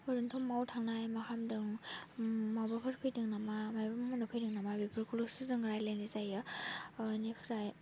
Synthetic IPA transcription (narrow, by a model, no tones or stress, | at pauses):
ɯɾintʰomawtʰaŋnajmakʰamdɯŋ | mawbɯpʰɯɾkʰɯjdɯŋnamamajbɯmːanukʰɯjdɯŋnamabipʰɯɾkʰulɯksuzɯŋɾajlenizajɯ | nepʰɾaj